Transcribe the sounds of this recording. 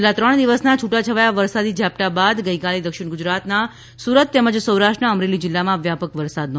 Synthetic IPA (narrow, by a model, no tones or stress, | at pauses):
lːat̪ɾəɳ̃d̪iʋəsnat͡ʃʰuʈat͡ʃʰəʋajaʋəɾsad̪id͡ʒʱjap̚ʈ̪abad̪ɡəikaled̪əkʃɪɽ̃ɡʊd͡ʒɾat̪na | suɾət̪ːɛməd͡ʒsəwɾaʃʈɾəəmɾelid͡ʒɪlːamãʋjapəkʋəɾsad̪̚n